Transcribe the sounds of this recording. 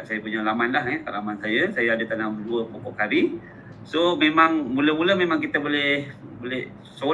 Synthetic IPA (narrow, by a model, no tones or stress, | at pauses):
sajapuɲalamanlaɦɛt̪aʔlamansajəsajaadət̪anabəduəpokɔʔkaɾi | somemaŋmũləmũləmemãŋkit̪əbolɛh | bolɛh | so